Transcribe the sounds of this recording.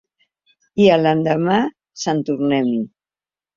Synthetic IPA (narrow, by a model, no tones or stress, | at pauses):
iələnd̪əma | sənt̪uɾnɛmi